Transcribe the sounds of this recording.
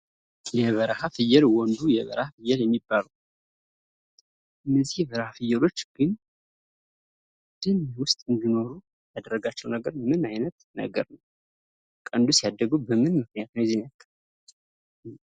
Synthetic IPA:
jɛβəɾhafɨjːɛlwɔnd̪ujɛβə̰ɾhafɨjːɛljɛmːibːaləw | ʔɨnːəzihbəɾhafɨjːɛlo̞t͡ʃːɡ̥ɨn | d̪̥ɨnwʊst̪ʼɨnd̪ino̞ɾu | jad̪əɾːəɡat͡ʃːɛwnəɡəɾmɨnajnət̪nə̰ɡə̰ɾnəw | kʼənd̪usjad̪ːəɡubəmɨnmɨk̚nijat̪nəwzinəkʼːə

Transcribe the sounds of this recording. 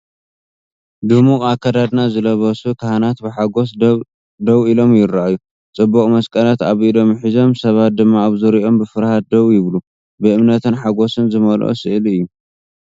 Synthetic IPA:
d̪umuakʰːɐd̪ad̪nazɨlɐβɐsukʰahanat̪bɨħaɡo̞s | d̪ɐβilo̞mjɪɾːaʔaju | t͡sʼɨbːɐkʼmɐskʼɐlat̪aβilo̞mħizo̞msɐβat̪̚d̪ɨmːaːβzɨɾiʔo̞mbɨfɨɾhat̪̚d̪ɐβujɪβlu | bɨʔɨmnɐt̪ɨnħaɡo̞sɨnzɨmɐlʔo̰sɨʔliɨjːu

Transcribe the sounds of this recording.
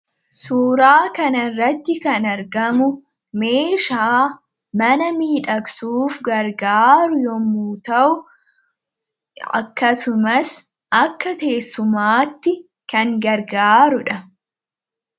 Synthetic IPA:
suːɾaːkɐnɐrːɐt̪ːɪkɐnɐɾɡɐmʊ | me̞ːʃaː | mɐnɐmiːᶑɐksuːfɡɐɾɡaːɾʊjɔmuːt̪ɐʔʊ | ɐ̰kːɐsʊmɐs | ʔɐkːɐt̪e̞ːsːʊmaːt̪ːɪ | kɐŋɡɐɾɡaːɾʊᶑɐ

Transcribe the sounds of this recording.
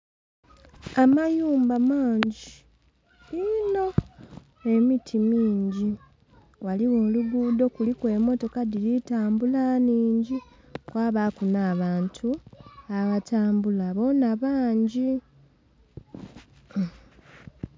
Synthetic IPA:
amajuːmbamaːɲɟi | ino̞ | e̞mitʰimiːɲɟi | waliwo̞ːluɡuːd̪o̞kulikwe̞ːmo̞to̞kadilitaːmbulaniːɲɟi | kwaːβaːkunaːβaːntʰuaβataːmbulaβo̞naβaːɲɟi

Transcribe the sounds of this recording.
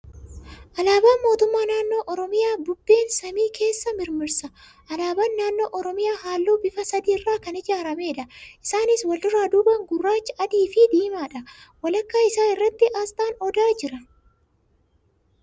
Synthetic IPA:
ʔɐlaːbaːnmo̞ːt̪ʊmːaːnaːnːo̞ːʔɔɾɔmɪjaːbʊbːe̞ːnsɐmiːkʰe̞ːsːɐmɪɾmɪɾsɐ | ʔɐlaːbɐnːaːnːo̞ːʔɔɾɔmɪjaːhaːlːoːbɪfɐsɐd̪iːrːaːkɐnɪd͡ʒaːɾɐmeːᶑɐʔɪsaːnɪswɐld̪ʊɾaːd̪ʊbɐŋɡʊrːaːt͡ʃːɐʔɐd̪iːfɪd̪iːmaːᶑɐwɐlɐkːaːɪsaːɪrːɐt̪ːɪʔast̪ʼaːnɔd̪aːd͡ʒɪɾɐ

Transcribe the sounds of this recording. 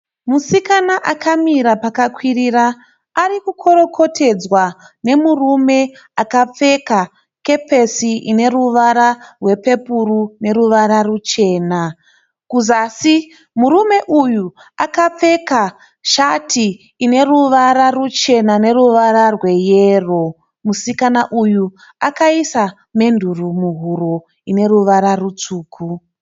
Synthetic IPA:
musikanaʔakamiɾapakakwiriraː | ɾikukʰo̞ɾo̞kʰo̞tʰe̞d͡zwane̞murume̞ | akap͡fe̞ka | ke̞pe̞siine̞ruʋaɾarwe̞pe̞purune̞ruʋaɾarut͡ʃe̞ːna | kuzaːsi | muɾume̞ʔuju | akap͡fe̞ka | ʃatiː | ne̞ruʋaɾarut͡ʃe̞nane̞ruʋaɾarwe̞jeːro̞ | musikanaʔuju | akaisa | me̞ndʱurumuɦuɾo | ine̞ɾuʋaɾarut͡suːkʰu

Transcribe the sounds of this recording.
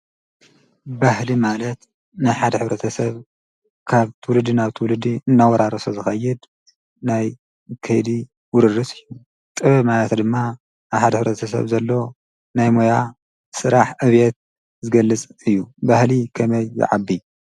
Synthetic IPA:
bahlimalɐt̪ | najħad̪ɐħɨβɾɐt̪ʰɐsɐβ | kʰaβt̪ʰɨwʊlɨd̪inaβt̪ʰɨwʊlɨd̪iɨnːawɔɾaɾɐsozɨxɐjːɪd̪ | naj | kʰɐjd̪i | wʊɾɨrɨsʼɨjːu | t̪ʼɨβɐβmalɐt̪d̪ɨmːa | aβħad̪ɐħɨβɾɐt̪ʰɐs̬ɐ̰βzɐlːo̞ | najmoja | sɨɾaħʔɨβet̪̚ | zɨɡɐlːɨt͡sʼɨjːubahlikʰɐmɐjːɪ̰ʕabːi

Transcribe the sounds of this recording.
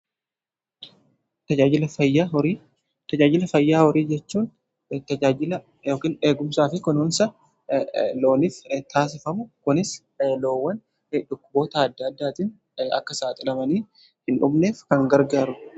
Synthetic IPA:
t̪ɐd͡ʒaːd͡ʒɪlɐfɐjːaɔɾiː | t̪ɐd͡ʒaːd͡ʒɪlɐfɐjːaːhɔɾiːd͡ʒɛt͡ʃːuːn | t̪ɐd͡ʒaːd͡ʒɪlɐ | joːkiːne̞ːɡʊmsaːfɪkʊnʊnsɐ | lo̞ːniːft̪aːs̬ɪfɐmʊkʊnɪs | lo̞ːwːɐn | ᶑʊkːʊbo̞ːt̪ɐɐd̪ːɐd̪ːaːt̪ɪn | ɐ̰kːɐsaːt̪ʼɪlɐmɐniː | hɪnᶑʊbneːfkɐŋɡɐɾɡaːɾʊ

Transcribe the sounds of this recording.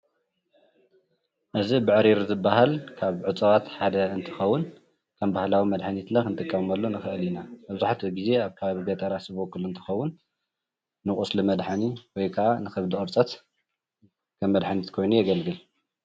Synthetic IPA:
ʔɨzibɨʕɨɾiɾzɨbːaɦalkʰaβʕɨt͡sʼɐwat̪ħad̪ɐɨnt̪ʰɨ̥xɐwːʊn | kʰɐmbahlawimɐd̪ħanit̪lɐkɨnt̪ʰɨkːɐmɐlːo̞nɨxɨʔɨlinamɐβzaħat̪ɨɡize̞aβkʰaβɡɐt̪ʼɐɾasɨβokʼːɨluɨnt̪ʰɨ̥xɐwːʊnː | ɨχʼuslɨmɐd̪ħaniwɔjkʰaʔanɨxɐβd̪ɨʔʼɨɾt͡sʼɐt̪ | kʰɐmːɐd̪ħanit̪kʰo̞jnujɛɡɐlɡɨl

